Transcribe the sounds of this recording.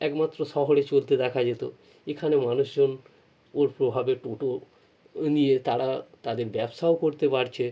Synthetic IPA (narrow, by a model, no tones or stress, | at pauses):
ɛkmat̪ːɾoʃɔɦoɽet͡ɕolt̪ed̪ɛkʰad͡ʑet̪o | ekʰanemanuʃd͡ʑon | oɾpɾobʱabeʈoʈo | nijet̪aɾat̪ad̪eɾbɛbʃaokoɾt̪epaɾt͡ɕʰe